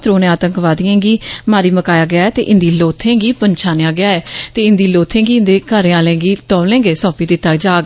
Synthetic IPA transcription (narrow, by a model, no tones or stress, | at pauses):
t̪ɾoːnẽːaːt̪əŋkʋaːd̪ɪãːɡiːmaːɾiːməkaːjaːɡɪjaːɛːt̪ḛːʔɪnd̪iːloːt̪ʰẽːɡiːpəɲt͡ʃʰaːnjaːɡɪaːɛːt̪eːɪnd̪iːloːt̪ʰẽːɡiːɪnd̪eːkəɾẽːãːlẽːɡiːt̪ɔːʋlɛ̃ːŋɡeːsɔ̃ːpiːd̪ɪːt̪ːaːd͡ʒaːɡ